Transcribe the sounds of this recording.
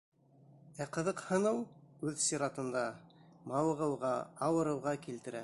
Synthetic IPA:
æqɤ̆ðɤqhɤ̆nɤwʉðsʲiɾɑt̪ɤ̆nd̪ɑmɑwɤ̆ʁɤ̆wʁɑɑwɤ̆ɾɤ̆wʁɑkilt̪ɘ̆ɾæ

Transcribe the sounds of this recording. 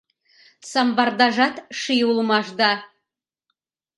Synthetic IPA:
sɑmbɑrd̪ɑʒɑt̪ʃijulˠmɑʒd̪ɑ

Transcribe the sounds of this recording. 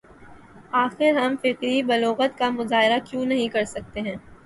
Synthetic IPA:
aːxɪɾɦɐmfɪqɾibɐloːɣət̪kamʊzaːɦɪɾakjũːnɐɦĩkɐɾsɐk̚t̪eɦɛ̃ː

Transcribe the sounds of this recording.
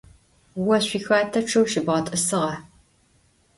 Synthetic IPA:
wɐɕʷiːxaːtʰɐʈ͡ʂʰɐwʃibʁɐtʼɨsɨʁɐ

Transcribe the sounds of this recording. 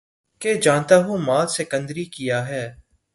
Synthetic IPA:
ked͡ʒãːnt̪aɦumaːlsekə̃nd̪ɾikijaɦɛː

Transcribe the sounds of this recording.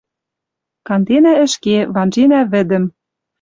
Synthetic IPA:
kɑnd̪enæɘ̆ʃkeβɑnʒenæβɘ̆d̪ɘ̆m

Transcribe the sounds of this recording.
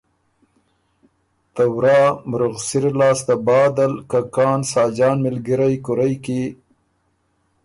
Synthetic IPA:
t̪awɾɑmɾuɣsiɾlɑːst̪abɑːd̪alkakɑːnsɑːd͡ʒɑːnmɪlɡiɾajkʊɾajki

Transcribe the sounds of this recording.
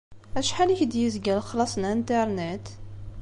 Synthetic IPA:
æʃħaliçd̪jəzɡælxlɑsˤnænt̪əɾˤnet̪

